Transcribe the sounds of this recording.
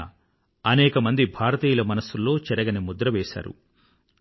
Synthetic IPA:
ɐnɛːkɐmɐnd̪ibʱaːɾɐt̪iːlɐmɐnɐsulːo̞ːt͡ʃɐɾɐɡɐnimud̪ɾɐʋeːʃa̰ːɾṵ

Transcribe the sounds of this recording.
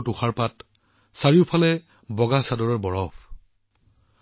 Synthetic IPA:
tuxaɹpat | saɹiʊpʰalɛ | bɔɡasadɔɹɔɹbɔɹɔp

